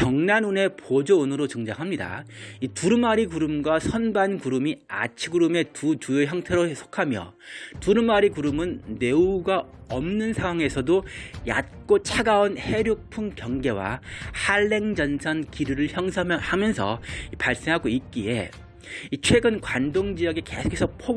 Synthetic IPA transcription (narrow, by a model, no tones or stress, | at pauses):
t͡ɕʌŋnanune̞pod͡ʑoɯnɯɾot͡ɕɯŋd͡ʑaŋɦamɲida̰ituɾɯmaɾikuɾɯmɡwasʰʌnbankuɾɯmia̰t͡ɕʰiɡuɾume̞tut͡ɕujoçjʌŋtʰe̞ɾosʰo̥kʰamjʌ̰ | tuɾɯmaɾikuɾɯmɯnːe̞uɡaʌmnɯnsʰaŋwaŋe̞sʰʌdoja̰t̚k͈ot͡ɕʰaɡaonhe̞ɾjok̚pʰuŋkjʌŋɡe̞wa̰haɭːe̞ŋd͡ʑʌnsʰʌnkiɾuɾɯɭçjʌŋsʰhamjʌnsʰʌ̰ipaɭs͈e̞ŋɦaɡoit̚k͈ie̞ | it͡ɕʰwe̞ɡɯnkwandoŋd͡ʑijʌɡeke̞̰sʰo̥kʰesʰok̚pʰo